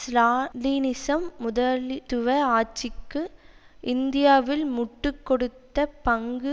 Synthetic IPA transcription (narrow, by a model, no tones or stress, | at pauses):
slaːlinɪsɐmːʊðɐlt̪ʊʋɐaːt͡ʃːɪkːɯʔɪnd̪ɪjaːʋɪlmʊʈːɯkːɔɽɯt̪ːɐpɐŋɡɯ